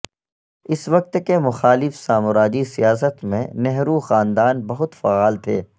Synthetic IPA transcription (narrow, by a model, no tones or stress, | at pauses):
ɪsʋɐk̚t̪kemʊxaːlɪfsaːmʊɾaːd͡ʒisijaːsət̪mḛ̃nɛɦɾuxaːnd̪aːnbɐɦʊt̪faːaːlt̪ʰḛː